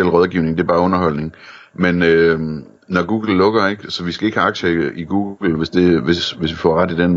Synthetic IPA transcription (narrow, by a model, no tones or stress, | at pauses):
el̰ʁɒðˠɡ̥iʊne̝ŋd̥e̝ɐb̥ɑ̈ːɔ̽nɐɦɒ̽l̰ne̝ŋmenø | nɒɡ̥uːɡ̥l̩ːɔ̽ɡ̥ɐe̝ɡ̥sɒ̽ʋisɡ̥æe̝ɡ̥hæɑ̈ɡ̥ɕəiɡ̥uːɡ̥l̩ʋe̝sd̥e̝ʋe̝sʋe̝sʋifɒʁad̥id̥en